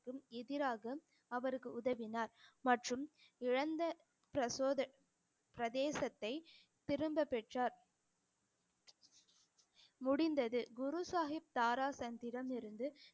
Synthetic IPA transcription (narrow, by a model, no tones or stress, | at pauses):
kːɯmɛðɪɾaːɣɐ | ɐʋɐɾɯkːɯʊðɐʋɪnaːɾmɐʈrɯmɪɻɐnd̪ɐ | pɾɐsoːðɐ | pɾɐðeːsɐt̪ːɐɪ | t̪ɪɾɯmbɐpːɛʈraːɾ | mʊɽɪnd̪ɐðɯɡʊɾusaːɦɪp̚t̪aːɾaːsɐnd̪ɪɾɐmɪɾɯnd̪ɯ